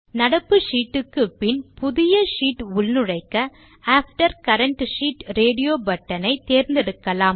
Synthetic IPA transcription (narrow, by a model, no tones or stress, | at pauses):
nɐɽɐpːɯʂiːʈːɯkːɯpɪnpʊðɪjɐʂiːʈʊɭnɯɻɐɪkːɐ | aːfʈɐɾkɐɾɐɳʈʂiːʈɾeːɽɪjoːbɐʈːɐnɐɪt̪eːɾnd̪ɪɽɯkːɐlaːm